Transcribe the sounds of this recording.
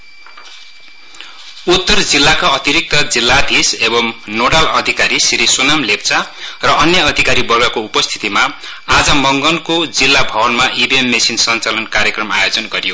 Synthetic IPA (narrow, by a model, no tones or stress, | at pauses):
ut̪ːʌrd͡zilːakaʌt̪iɾik̚t̪ʌd͡zilːad̪ʱisebʌmnoɽalʌd̪ʱikaɾisiɾisunamlep̚t͡sarʌʔʌnjʌʌd̪ʱikaɾibʌɡʌkoupʌst̪ʰi̥t̪ima | ad͡zʌmʌŋɡʌnkod͡zilːabʱʌbʌnmaʔibiemːesinsʌnt͡salʌnkarjʌkrʌmajod͡zʌnɡʌɾijo